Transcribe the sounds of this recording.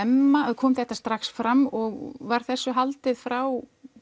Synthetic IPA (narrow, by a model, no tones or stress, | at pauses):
ɛmːaɛðkʰɔːmθɛht̪ːast̪ɾaxsfɾamɔɣvaɾ̥θɛsːʏɦalt̪ɪðfɾaw